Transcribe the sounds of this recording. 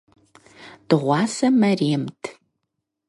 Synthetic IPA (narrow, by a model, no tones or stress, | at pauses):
d̥ɨʁʷɑːsɐmɐreːmtʰ